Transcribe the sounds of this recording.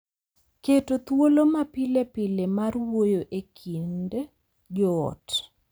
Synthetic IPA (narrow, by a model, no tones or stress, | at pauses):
ketot̪wolomapɪlepɪlemarwojoʔekʰind | d͡ʒɔɔ̰t